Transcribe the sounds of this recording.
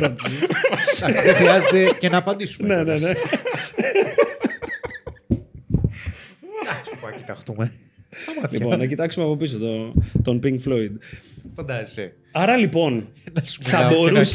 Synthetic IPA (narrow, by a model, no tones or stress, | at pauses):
ɾɐt̪ii | exɾiɐzet̪ecenɐːpɐnd̪isu̥ne̞ne̞ne̞ | d̪ɐkspɐcit̪ɐxt̪ume | ɐmɐt̪lḭponnɐcit̪ɐksumeɐpo̞pis̬ot̪ot̪ompiŋɡfloid̪fɐnd̪ɐzise | ɐɾɐlipo̞nt̪ɐsθɐbo̞ɾus